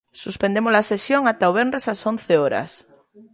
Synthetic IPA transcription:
suspend̪emozlasesjoŋat̪aoβendesason̟θeoɾa̰s

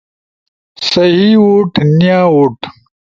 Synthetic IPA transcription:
sɐɦiwoʈnijaːwoʈ

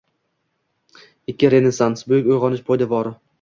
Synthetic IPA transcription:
ɪkʲːɪɾe̞ne̞sansbʊjɪkʲojʁɒnɪʃpʰojd̪avɒɾɪ

